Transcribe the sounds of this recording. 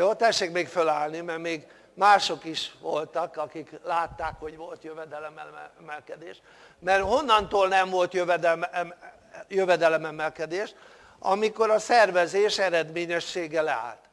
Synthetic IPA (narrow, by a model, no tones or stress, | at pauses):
joːt̪ɛʃːeːkmeːkfølaːlnimɛrmeːɡ | maːʃo̞kiʃʋo̞lt̪ɒkɒkiklaːt̪ːaːkho̞ɟʋo̞lt̪jøvɛd̪ɛlɛmɛmɛlkɛd̪ḛːʃ | mɛrho̞nːɒnt̪oːlnɛɱvo̞lt̪jøvɛd̪ɛlm | jøvɛd̪ɛlɛmɛmɛlkɛd̪eːʃ | ɒ̰miko̞ɾɒsɛrvɛzeːʃɛɾɛd̪meːɲɛʃːeːɡɛlɛa̰ːlt̪